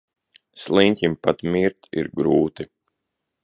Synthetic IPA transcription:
slˠiɲʲkʲimpat̪miɾt̪ḭɾɡɾuːt̪i

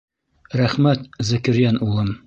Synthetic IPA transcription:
ɾæχmæt̪zɘ̆kɘ̆ɾjænulˠɤm

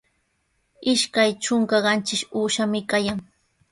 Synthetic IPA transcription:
ɪʃkajt͡ʃʊŋkɑɢɑnt͡ʃɪʃuːʃamɪkajaŋ

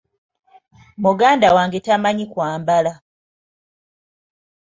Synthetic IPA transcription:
muɡaːndawaːŋɡetamaɲikwaːmbala

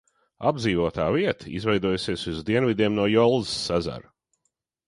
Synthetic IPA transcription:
a̰bd̪ziːvuɔt̪aːviɛt̪ʰḭzvɛjd̪uɔjusiɛsuzd̪iɛnvid̪iɛmnuɔjɔlˠzsːaza̰ɾ

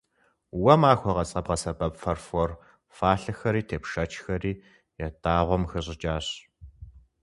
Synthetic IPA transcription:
wɐmaːxʷɔʁɐt͡sʼɐbʁɐsɐbɐpfɐrfɔr | faːɬɨxɐɾiːtʰeːpʂɐt͡ʃʰxɐriː | jɛdʰʼaːʁʷɔmxɨɕʼɪt͡ʃʼaːɕ

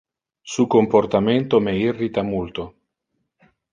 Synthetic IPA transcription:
sukomport̪ament̪omeirːit̪amult̪o

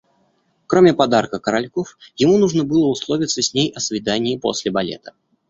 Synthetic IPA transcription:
kɾomʲɪpɐd̪arkəkəɾɐlʲkofjɪmunuʐnəbɨlˠəʊslˠovʲɪt̪səsʲnʲejʔɐsvʲɪd̪anʲɪːpo̰sʲlʲɪbɐlʲḛt̪ə̥

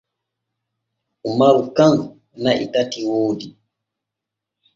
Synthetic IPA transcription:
umaɾukaŋ | naʔḭtatiwoːdi

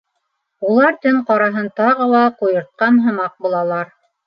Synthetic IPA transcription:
ulˠɑɾt̪ɘŋqɑɾɑɦɤnt̪ɑʁɤ̆lˠɑqujɤ̆ɾt̪̚qɑnɦɤ̆mɑq̚bulˠɑlˠɑɾ

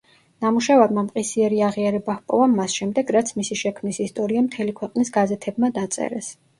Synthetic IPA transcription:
namuʃavaɾmamqʼisiɛɾiaʁiaɾɛbahpʼɔ̰vamːasʃɛmd̪ɛɡɾat̪sʰmisiʃɛkʰmnisist̪ʼɔɾiamt̪ʰɛlikʰwɛqʼnisɡazɛt̪ʰɛbmad̪at̪sʼɛ̰ɾɛ̰s

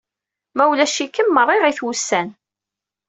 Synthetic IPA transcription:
mæwlæʃikːəmːərˤːiʁiθwusːæn

